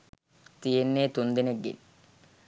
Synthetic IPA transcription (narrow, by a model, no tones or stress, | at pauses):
t̪ijenːeːt̪und̪ineɡːḭn